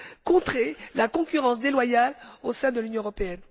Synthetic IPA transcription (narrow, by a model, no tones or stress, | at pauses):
kɔ̃t̪χelakɔ̃kʲyʁɑ̃s̬d̪elwajalosɛ̃d̪əlynjɔ̃ʁɔpeɛn